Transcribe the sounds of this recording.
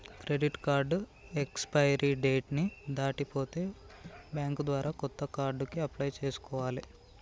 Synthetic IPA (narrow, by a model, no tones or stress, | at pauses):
kɾe̞ɖiʈkaːɾɖekspɐjɐɾiɖeːʈnid̪aːʈipoːt̪e̞ː | bjaːŋkd̪ʋaːɾaːkɔt̪ːɐkaːɾɖukiɐplɐjt͡ʃe̞ːsu̥kɔːʋaːli